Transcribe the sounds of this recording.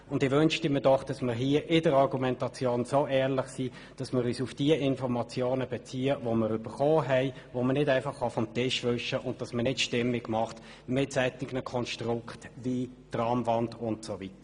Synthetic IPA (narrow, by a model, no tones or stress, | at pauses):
ʊndɪʋønʃtɪmːdɔχd̥ɑsmɪːɾɦiːəʔɪdəɾɑʁɡumɛntɑt͡sjoːnsoːɛːʁlɪχsiː | d̥ɑsmɪːɾyːsufd̥iəʔɪnfɔɾmɑt͡sjoːnəbɛt͡siːəvoməɾyb̥əɾχoːɦɛɪ | vomənɪdæɪfɑχːɑfɔmtɪʃvʏʃəʔʊnd̚d̥ɑsmənɪtʃtɪmːɪɡ̥mɑχt | mɪtsɛtːɪɡnəkʰɔnʃtrʊkχtviːtrɑmvɑndʊntsovitə̥